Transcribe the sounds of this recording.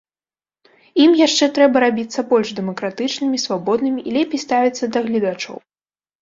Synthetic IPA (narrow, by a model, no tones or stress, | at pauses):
imjaʂt͡ʂɛt̪ɾɛbɐɾabʲit̪sːɐbɔlʲʐd̪ɛmɐkɾat̪ɨt͡ʂnɨmʲisvabɔd̪̚nɨmʲiʔːlʲɛpʲejst̪avʲit̪sːɐd̪ɐɣlʲid̪at͡ʂɔ̰w